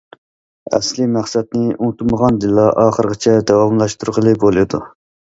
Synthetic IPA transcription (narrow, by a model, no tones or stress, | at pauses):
ɛ̰slɪmæχsɛd̪̚nɪuŋt̪uməʁɑnd̪ɨlːɑʔɑːχəɾʁət͡ʃʰɛd̪ɛwɑmlˠɑʃt̪uɾqəlˠɨbolˠɨd̪u